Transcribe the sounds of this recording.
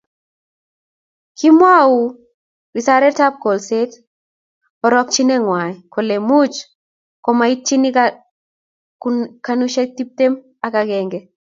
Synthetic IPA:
ki˦mwa˦u˨ | ɾi˨saɾɛ˦tap̚ko˨lset | ɔ˨ɾɔ˦k̚t͡ʃi˦nɛ˦ŋwa˨jkɔ˨le˨mu˦t͡ʃ | kɔ˨ma˨i˦t̚t͡ʃi˦nika | kanuʃe˦k̚tip̚te˦m | a˨kaɡɛŋɡɛ˨

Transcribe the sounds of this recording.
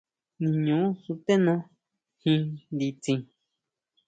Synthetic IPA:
nĩ˧˨ɲũ˨˦su˧t̪e˦nõ˦ | hĩ˧nd̪i˧t͡sĩ˧

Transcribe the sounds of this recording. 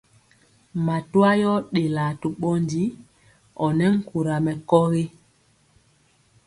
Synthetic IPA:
ma˨tu˦a˦jɔ˦ɗe˨la˨tu˨ɓɔ˦ndi˦ | ɔ˨nɛ˦ŋ̩˦ku˨ɾa˨mɛ˨kɔ˦ɣe˦

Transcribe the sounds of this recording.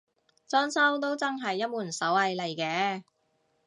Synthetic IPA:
t͡sɔː˥nsɐ˥wt̪̬o˥wt͡sɐ˥ŋɦɐ˨jːɐ˥t̚muː˨˩nsɐ˨˥wɐ˨˧jle˨jkɛː˨˥

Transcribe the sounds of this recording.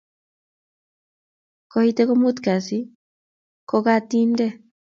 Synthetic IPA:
ko˨hit̪eko˦mu˦t̪ka˨si˦ | ko˧kat̪inde˦

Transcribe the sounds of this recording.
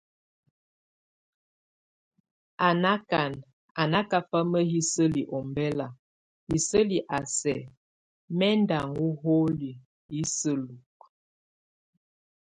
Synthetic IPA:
a˨na˦ka˨n | a˨na˦ka˦fa˦mə˦ɦi˦sə˦li˨ʔɔ˨mbɛ˦la˨ | hi˨sə˦li˨ʔa˨sɛ˨ | mɛ˦nda˨ŋu˦ɦo˦li˨ | hi˦sə˦lu˨k̚

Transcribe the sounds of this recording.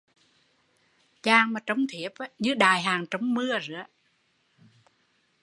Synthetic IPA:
t͡ɕaː˨˩ŋmaː˨˩t͡ɕə˧˩wŋ͡mt̪ʰi˨˧˩əp̚ːɲɨ˧˦ɗaː˨˩jɦaː˨˩ŋt͡ɕə˧˦wŋ͡mmɨ˧əzɨ̰˧˥ə

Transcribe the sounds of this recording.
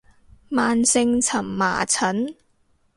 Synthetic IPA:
maː˨nsɪ˧ŋt͡sʰɐ˨˩mːa̰ː˨˩t͡sʰɐ˨˥n

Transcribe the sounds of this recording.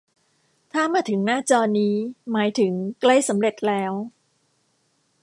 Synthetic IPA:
t̪ʰaː˥˩maː˧t̪ʰɯ˩˦ŋnaː˥˩t͡ɕɔː˧niː˦˥maː˩˦jt̪ʰɯ˩˦ŋkla˥˩jsa˩˦mɾe˨˩t̪̚lɛː˦˥w

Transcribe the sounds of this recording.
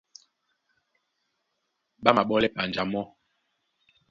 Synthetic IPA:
ɓa˦ma˨ɓɔ˦lɛ˦pa˨nd͡ʒa˨˦mɔ˦

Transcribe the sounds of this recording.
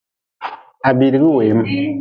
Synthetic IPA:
a˨bi˨ɾi˨ɣi˦we˨˦ma˨

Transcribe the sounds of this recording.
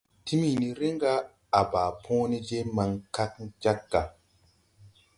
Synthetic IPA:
ti˦mi˨ni˨ɾi˦ŋ˦ɡa˦ | a˨ba˨pʰõ˦ni˦d͡ʒe˦ma˨ŋka˦kd͡ʒa˦kɡa˨

